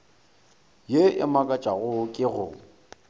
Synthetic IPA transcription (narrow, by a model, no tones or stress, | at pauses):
jeʔɪ̰makʼat͡ʃʼaɣʊkʼɪɣʊ̰